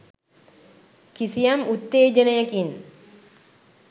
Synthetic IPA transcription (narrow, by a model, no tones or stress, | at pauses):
kisijɐmut̪ːeːd͡ʒənɐjɐkin